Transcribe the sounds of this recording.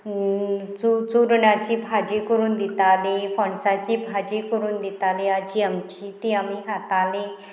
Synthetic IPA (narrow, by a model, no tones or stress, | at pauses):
t͡sut͡suɾɳjat͡ɕiːbʱad͡ʑikəɾuːnd̪it̪alefəɳsat͡ɕiːbʱad͡ʑikəɾuːnd̪it̪alead͡ʑiːamt͡ɕiːt̪iamiɦat̪ale